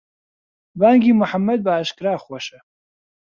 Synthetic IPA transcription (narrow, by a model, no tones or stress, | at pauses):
baːŋɡimuħamːɐd̪̚baːʃkɾaːχwɐʃɐ